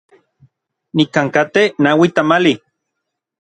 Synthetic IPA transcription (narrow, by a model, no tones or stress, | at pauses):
nikaŋkat̪enawit̪amali